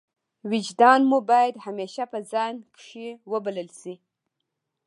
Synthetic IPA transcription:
wɪd͡ʒd̪ɑnmubɑjad̪hameʃapəzɑnkʂiwəbaləlsi

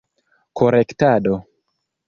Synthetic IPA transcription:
koɾektado̞

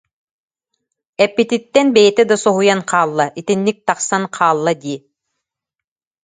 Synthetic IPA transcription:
ɛpːit̪ʲit̪ːɛnbɛjɛt̪ɛd̪asɔɦujanqʰɑːlˠːaʔit̪inːik̚t̪ɑqsanqʰɑːlˠːad̪iː

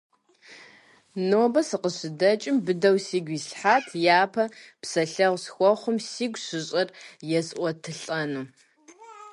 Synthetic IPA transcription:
noːbɐsɨqəɕɪdɐt͡ʃʼɪmbɨdɐwsiːɡʷiːsħaːtʰjaːpʰɐpsɐɬɐʁʷsxʷɔχʷʊmsiːɡʷɕɪɕʼɐrjɛsʔʷɔtʰɨɬʼɐnuː

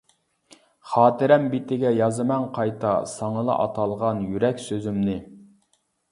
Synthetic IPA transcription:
χɑːt̪ɪɾɛmbit̪ɪɡʲɛjɑzɨmɛŋqʰɑjt̪ʰɑ̰sɑŋəlˠɑ̰ʔɑ̰t̪ʰɑlˠʁɑnjyɾɛkʲsøzymnɪ

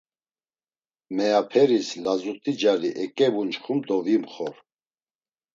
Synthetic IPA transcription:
mɛapʰɛɾislazut̪ʼid͡ʒaɾiʔɛkʼɛbunt͡ʃχumd̪ɔvimχɔɾ

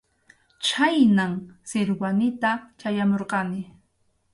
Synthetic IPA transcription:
t͡ʃʰajnaŋsɪɾwanɪt̪at͡ʃajamoɾqɑnɪ

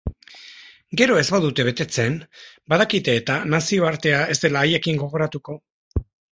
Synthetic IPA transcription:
ɡe̞ɾo̞e̞zβaðut̪e̞β̞e̞t̪e̞t͡se̞nbaðakit̪e̞ːt̪anasio̞aɾt̪e̞ae̞zd̪e̞laːje̞kiŋɡo̞ɣ̞o̞ɾat̪uko̞

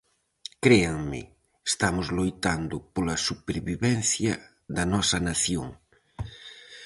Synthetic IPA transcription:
kɾeaŋmɪ̰ | est̪amʊzlojt̪and̪ʊpolɐsupeɾβiβɛn̟θjɐ | ðɐnɔsɐnaθjo̰ŋ

